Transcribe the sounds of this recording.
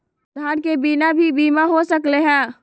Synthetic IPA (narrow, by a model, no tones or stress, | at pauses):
d̪ʱaɾkebinabʱibiːmaɦosəkleɦɛ̃